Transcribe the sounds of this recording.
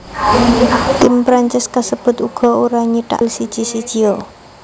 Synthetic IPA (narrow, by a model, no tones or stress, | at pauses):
t̪ɪmpɾaɲt͡ʃɪskasəb̥ʊ̤t̪uɡ̥ɔ̤uɾaɲiʈa̰lsid̥ʒ̥i̤sid̥ʒ̥io